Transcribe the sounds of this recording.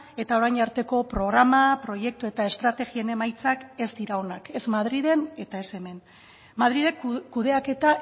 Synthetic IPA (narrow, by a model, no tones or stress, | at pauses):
e̞t̪ao̞ɾajɲaɾt̪e̞ko̞pɾo̞ɣ̞ɾamapɾo̞je̞k̚t̪ue̞t̪ae̞st̪ɾat̪e̞ɣie̞ne̞majt͡sakezd̪iɾao̞nake̞zmaðɾiðe̞ne̞t̪ae̞se̞me̞n | maðɾiðe̞kkːuð̞e̞ake̞t̪a